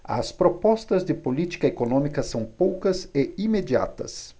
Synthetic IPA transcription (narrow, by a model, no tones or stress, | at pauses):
ɐ̰spɾopɔst̪ɐzd̪ɪpolit̪i̥kɐekonõmikɐsɐ̃w̃powkɐsɪimed͡ʒia̰t̪ɐ̰s